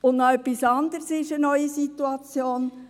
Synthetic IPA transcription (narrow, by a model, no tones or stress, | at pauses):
ʊnnɔœpːisɑnd̪əɾsɪʃənœʏisit̪uɑt͡sjoːn